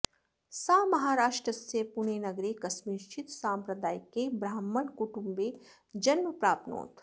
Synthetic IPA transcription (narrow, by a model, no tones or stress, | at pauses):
saːmɐɦaːɾaːʃʈɾəsepuɳeːnɐɡɾekɐsmiːɾʃʰit̪sãːmpɾɐd̪aːjkebɾaːmːəɳkuʈumbe | d͡ʒɐnmɐpɾaːpno̰ːt̪